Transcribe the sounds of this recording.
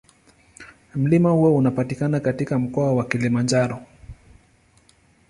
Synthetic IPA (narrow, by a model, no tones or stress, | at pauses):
m̩limahuɔunapatikanakatikam̩kɔawakilimand͡ʒaɾɔ